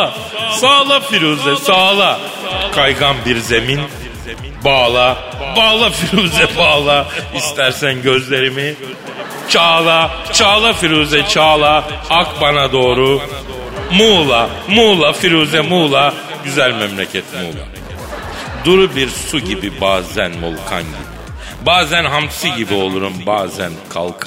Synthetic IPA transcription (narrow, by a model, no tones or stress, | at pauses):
saːlˠafiɾuːzɛsaːlˠa | kʰajɡanbiɾze̞min | baːlˠa | baːlˠafiɾuːzɛbaːlˠaist̪ʰæɾsænɟø̞zlʲe̞ɾimi | t͡ʃʰaːlˠa | t͡ʃʰaːlˠafiɾuːzɛt͡ʃʰaːlˠaakbanad̪o̞ːɾu | muːlˠa | muːlˠafiɾuːzɛmuːlˠa | ɟyzælʲmɛmlʲecʰɛt̪mṵːlˠa̰ | d̪uɾubiɾsuɟibibaːzænmo̰lˠkʰa̰nɟḭbḭ | baːzænɦamt̪ʰi̥siɟibio̞lˠuɾumbaːzæ̰nkʰa̰lˠkʰ